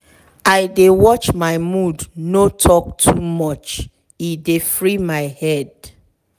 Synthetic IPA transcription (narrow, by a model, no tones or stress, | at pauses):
aɪdewɔt͡ʃmaɪmudnotʰɔk̚tʰumɔt͡ʃ | idefɹimaɪhɛd